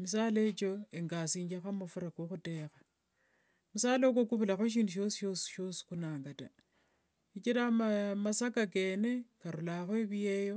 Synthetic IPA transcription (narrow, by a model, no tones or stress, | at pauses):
misaːlet͡ʃo̞eŋɡasiːɲd͡ʒaxamufuɾakoxute̞xḁ | musaːlok̬okuβulaxoʃ̬iːnduʃ̬o̞si̥ʃosʃo̞si̥kunaːŋɡata | it͡ʃiɾaamasakakenekaɾulaxweβijejo̞